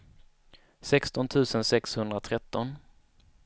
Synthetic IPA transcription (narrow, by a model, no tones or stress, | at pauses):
sɛkst̪ɔnt̪ʰʉ̟ːsənsɛkshɵnd̪ɾat̪ʰɾɛt̪ːɔn